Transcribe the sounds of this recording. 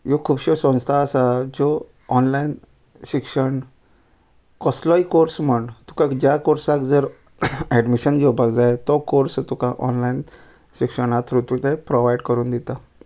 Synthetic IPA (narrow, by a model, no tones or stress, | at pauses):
jokʰuːbɕɔsə̃st̪ʰaːsad͡zɔː | nlain | ɕikʂəɳ | kɔslɔikoɾsməɳt̪u̥kakd͡ʑjakoɾsakd͡zəɾ | ɛɖmiɕənd͡ʑobʱaɡd͡zajt̪ɔkoɾst̪ukaʔɔnlain | ɕikʂəɳat̪ɾut̪ʋit̪epɾoʋaiɖkəɾuːnd̪it̪a